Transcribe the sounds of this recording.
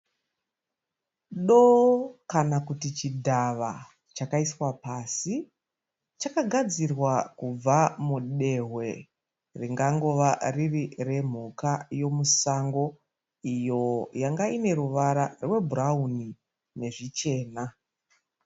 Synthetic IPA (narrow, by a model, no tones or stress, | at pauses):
ɗokanakutit͡ʃidʱaʋa | t͡ʃakaiswapaːsi | t͡ʃakaɡʱad͡zirwakub͡vamuɗe̞ɦwe̞ | riŋɡaŋɡo̞ʋaririre̞m̤ukajo̞musaŋɡo̞ | ijo̞jaŋɡaine̞ɾuʋaɾarwe̞bʱuɾauni | ne̞ʐit͡ʃe̞ːna